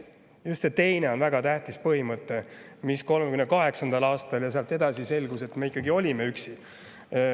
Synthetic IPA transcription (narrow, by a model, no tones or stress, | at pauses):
just̪se̞t̪e̞jne̞o̞nvæɡ̥ɑt̪æht̪ispɤhimɤt̪ːˑe̞misko̞lmekynːekɑɦe̞ksɑnd̪̥ɑlɑːst̪ɑljɑseɑlt̪ːe̞d̪ɑsise̞lɡ̥use̞t̪me̞ikːˑɑɡio̞lʲime̞yksi